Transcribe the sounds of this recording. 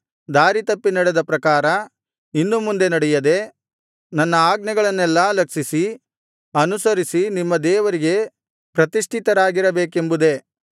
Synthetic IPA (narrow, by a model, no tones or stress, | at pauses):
d̪aːɾit̪ɐpːinɐɽed̪ɐpɾɐkaːɾɐ | inːumund̪e̞nɐɽɛjɐd̪e̞ | nɐnːɐaːɡnɐɡɐɭɐnːɛlːɐlɐkʂisi | ɐnusɐɾisinimːɐd̪ɛːʋɐɾiɡe̞ | pɾɐt̪iʂʈʰit̪ɐɾaːɡiɾɐbeːke̞mbud̪e̞